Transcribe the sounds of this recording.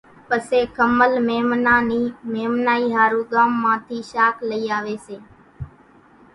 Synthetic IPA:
pəseːkəməlmeːmnaːniːmeːmnaːiːɦaːɾũːɠaːmːãːt̪ʰiːʃaːkʰləiːaːʋeːseː

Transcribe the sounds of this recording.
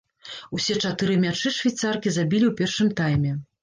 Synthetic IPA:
usʲɛt͡ʂat̪ɨɾɨmʲat͡ʂɨʂvʲajt̪sarkʲizabʲilʲiwpʲɛrʂɨmt̪ajmʲɛ

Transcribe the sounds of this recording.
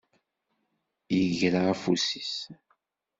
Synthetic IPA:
jəʝɾaæfusis

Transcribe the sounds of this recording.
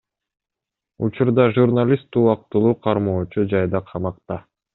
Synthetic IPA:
ut͡ʃuɾd̪ɑʒurnalʲist̪ːuːɑq̚t̪lˠuːqʰɑɾmoːt͡ʃud͡ʒɑjd̪ɑqʰɑmɑqt̪ɑ

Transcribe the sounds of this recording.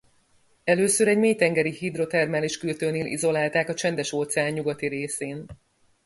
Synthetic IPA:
ɛløːsøɾɛɟmeːjt̪ɛŋɡɛɾihid̪ro̞t̪ɛrmɛliʃkylt̪øːneːlʔḭzo̞laːlt̪aːkɒt͡ʃɛnd̪ɛʃot̪sɛaːɲɲuɡɒt̪iɾeːseːn

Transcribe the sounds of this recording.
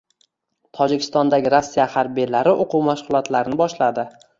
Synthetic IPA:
t̪ʰɒd͡ʒɪkʲʰɪ̥st̪ɒnd̪aɡʲɪɾasːijahaɾbijlaɾɪʔoqʰuwmaʃχʊlˠɒt̪ʰlaɾɪnɪbɒʃlad̪ɪ

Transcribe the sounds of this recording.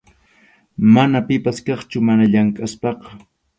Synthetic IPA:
manapɪpaskɑχt͡ʃʊmanaʎaŋkʼaspɑqɑ̥

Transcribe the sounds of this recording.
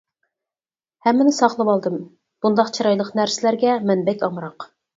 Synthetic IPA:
hɛmːɪnɪsɑχlˠəbɑlˠd̪ɨm | b̥und̪ɑqt͡ʃʰiɾɑjlˠəqnæɾsɪlæɾɡʲɛmɛnbɛkʲɑmɾɑq

